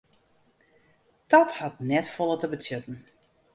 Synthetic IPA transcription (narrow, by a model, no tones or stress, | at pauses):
d̥ɔthɔtnɛtfolˠətəbətjøtn̩